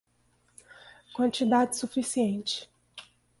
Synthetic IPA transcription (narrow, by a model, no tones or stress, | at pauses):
kwɐ̃nt͡ʃid̪ad͡ʒɪsufisiẽnt͡ʃɪ̥